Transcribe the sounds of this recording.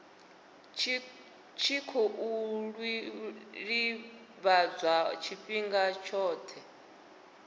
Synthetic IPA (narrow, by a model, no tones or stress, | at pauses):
t͡ʃʰikʰɔʔuɺwi | ɺi | βad͡zʷat͡ʃʰiɸiŋɡat͡ʃʰɔːt̪ʰɛ